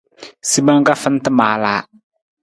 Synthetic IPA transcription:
si˦ba˦ŋ˦ka˦fɪ˦n˦tɨ˦maː˨laː˦

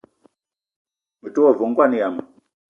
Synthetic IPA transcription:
mi˨tu˦ɔ˦˨vu˨ŋ˦kwa˦ni˨ja˨ma˨

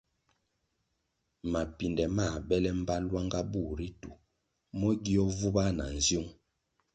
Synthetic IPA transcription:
ma˨pi˨ndɛ˨ma˦˨bɛ˦lɛ˦m̩˦ba˦lwa˦ŋɡa˦bu˦˨ɾi˦tu˨ | mɔ˦ɡi˦ɔ˦vu˦ba˦na˨n̩˨zju˦ŋ

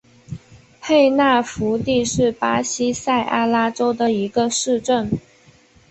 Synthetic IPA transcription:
pʰe˥˧ɪna˥˩fu˧˥t̪i˥˧ʂɻ̩˥˩pa˥ɕi˥sa˥˩ɪʔa˥la˥ʈ͡ʂo˥ʊd̪ə˨i˧˥ɡə˧ʂɻ̩˥˧ʈ͡ʂə˥˩n

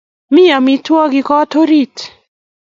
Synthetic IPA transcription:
mi˦ja˨mi˦twɔ˦ɡɪ˦kɔ˦to˦ɾi˦t

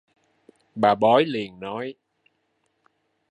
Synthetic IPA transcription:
ɓaː˨˩ɓɔ˨˦jli˨˩ənnɔ˨˦j

